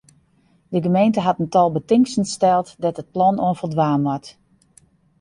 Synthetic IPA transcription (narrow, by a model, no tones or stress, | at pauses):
dəɡəmejntəɦatəntɔlˠbətɪŋsən̩stɛlˠtdɔtət̚plɔnoənfəlˠdʋaːmʋɔt